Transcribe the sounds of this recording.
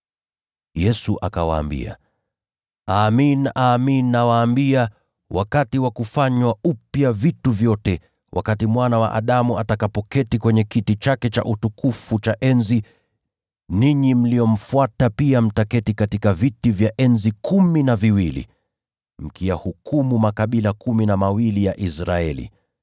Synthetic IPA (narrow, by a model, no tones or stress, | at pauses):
jɛsuʔa̰kawa̰ːmbḭa̰ | aːminaːminːawaːmbia | wʔa̰katiwakufaɲwaupjavituvjɔtɛ | wʔa̰katimwanawa̰ʔa̰ɗamuatakapɔkɛtikwɛɲɛkitit͡ʃakɛt͡ʃa̰ʔutukufut͡ʃaʔɛnzi | niɲim̩lijɔm̩fuatapiam̩takɛtikatikavitivjaʔɛnzikuminaviwilḭ | m̩kiahukumumakaɓilakuminamawilijaʔisɾaɛlḭ